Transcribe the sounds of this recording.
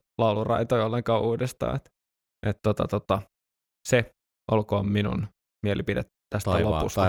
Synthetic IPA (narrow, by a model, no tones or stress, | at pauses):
lɑulurɑ̰jt̪ojolːeŋkɑːʔuːdest̪ɑ̰ːet̪ | ʔet̪t̪ot̪ɑt̪ot̪ɑ | se | ʔolkoːmminṵn | mielipidet̪ | t̪ːæst̪t̪ælopṵst̪ɑ